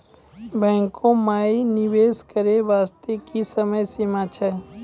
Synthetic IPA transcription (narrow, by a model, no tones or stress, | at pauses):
bɛ̃ːŋkʰõmaːinɪʋeːskəɾeʋaːst̪ekisəməjsɪmaːt͡ʃʰəj